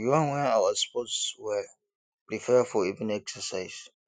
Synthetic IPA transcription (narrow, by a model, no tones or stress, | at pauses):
jãnwɛ̃nawəspɔtswɛ | pɹifɛfɔivɛ̃nɛksəsaɪs